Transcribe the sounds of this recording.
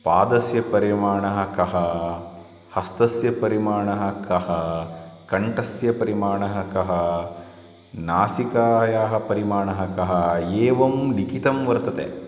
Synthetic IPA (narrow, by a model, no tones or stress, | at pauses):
paːd̪ɐsjɐpɐɾimaːɳɐɦɐkɐɦɐ | hɐst̪ɐsjɐpɐɾimaːɳɐɦɐkɐɦɐkɐɳʈɐsjɐpɐɾimaːɳɐɦɐkɐɦɐ | naːsikaːjaːɦɐpɐɾimaːɳɐɦɐkɐɦɐeːʋɐmlikit̪ɐmʋɐɾt̪ɐt̪ḛ